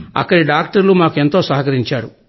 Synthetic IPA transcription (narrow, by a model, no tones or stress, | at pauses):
ɐ̰kːɐɽiɖaːk̚ʈɐɾlumaːkue̞nt̪o̞ːsɐɦɐkɐɾiɲt͡ʃaːɾu